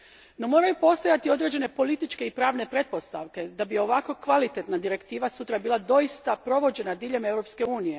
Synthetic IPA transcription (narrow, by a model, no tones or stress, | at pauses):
no̞mo̞ːɾajupo̞st̪ojat̪io̞d̪ɾe̞d͡ʑe̞ne̞po̞lit̪it͡ʃke̞ipɾaːʋne̞pɾe̞t̪̚po̞st̪aʋke̞d̪abio̞ʋako̞kʋalit̪e̞t̪nad̪iɾe̞kt̪iːʋasut̪ɾabiːlˠad̪o̞ist̪apɾo̞ʋo̞d͡ʑe̞nad̪iːʎe̞me̞wɾo̞pske̞uːnije